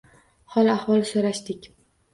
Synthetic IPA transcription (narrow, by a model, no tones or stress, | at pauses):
hɒlˠahwɒlˠʃoɾaʃt̪ɪkʲ